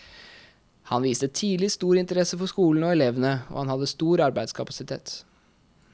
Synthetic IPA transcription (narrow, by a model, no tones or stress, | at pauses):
hɑnʋiːst̪ət̪ʰiːd̪lɪst̪uːɾɪnt̪əɾɛsəfɔʂkuːln̩ɔɛlɛʋənəo̰ːhɑnhɑd̪ːəst̪uːɾɑɾbæɪskʰɑpɑsɪt̪ʰḛːt̪